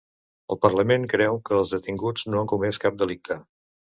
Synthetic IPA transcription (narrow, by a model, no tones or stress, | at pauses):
əlˠpərləmeŋkɾɛwkəːlˠzðət̪iŋɡud͡znoəŋkumɛskap̚d̪əlik̚t̪ə